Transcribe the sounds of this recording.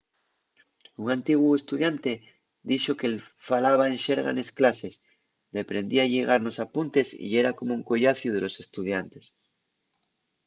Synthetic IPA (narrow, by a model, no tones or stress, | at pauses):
uŋãnt̪iɣwuest̪uðjant̪e | d̪iʃokel | falaβ̞aenʃeɾɣa̰nesklases | ðepɾẽnd̪iaʎeɣ̞aɾno̞sapunt̪e̞sḭeɾakomouŋkoʝaθjuð̞elo̞se̞st̪uðjant̪es